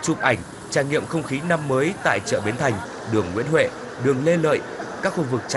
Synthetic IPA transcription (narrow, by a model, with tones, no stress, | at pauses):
t͡ɕu˨˩p̚ʔa˨˩jŋ̟ | t͡ɕaː˧˩jŋḭ˧˨əmxə˧wŋ͡mxi˨˦na˧mːəː˨˦jt̪a̰ː˧˨jt͡ɕə̰ː˧˨ɓi˨˦nt̪ʰa˨˩jŋ̟ | ɗɨ˨˩əŋːwḭ˧˥ənɦwḛ˧˨ | ɗɨ˨˩əŋle˧lə̰ː˧˨jkaː˦˥k̚xu˧vɨ˨˩k̚t͡ɕ